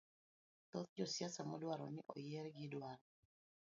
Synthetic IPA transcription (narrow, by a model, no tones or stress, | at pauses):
t̪ot̪d͡ʒɔsjasamɔdwaɾɔnɪʔɔ̰jɛɾɡɪdwaɾɔ